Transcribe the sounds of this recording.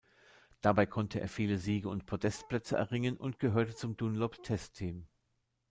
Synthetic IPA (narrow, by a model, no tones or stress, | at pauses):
d̥abaɪkʰɔntʰəʔḛːɐfiːləziːɡəʊntpʰʁ̥odɛstpl̥ɛt͡səʔɛ̰ɐʁɪŋənʔʊ̰ntɡ̥əɦøːɐtət͡sʊmd̥unloptʰɛstʰːiːm